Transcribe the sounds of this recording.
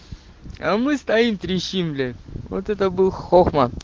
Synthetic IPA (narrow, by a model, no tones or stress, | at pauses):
amɨst̪aimt̪ɾʲiɕimlʲɪvo̰t̪ɛt̪əbɨlˠxoxmɐ